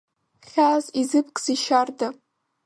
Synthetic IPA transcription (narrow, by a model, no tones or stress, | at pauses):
χʲazizɨp̚ʰkʼz̥iʃarda